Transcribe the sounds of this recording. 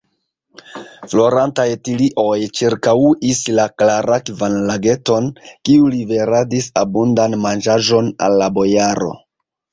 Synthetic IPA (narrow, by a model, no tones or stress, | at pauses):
flo̞ɾantajtiliʔo̞jt͡ʃiɾkawuʔislaklaɾakvanlaɡe̞to̞nkiulive̞ɾadisabundanmand͡ʒaʒo̞na̰lːabo̞jaɾo̞̰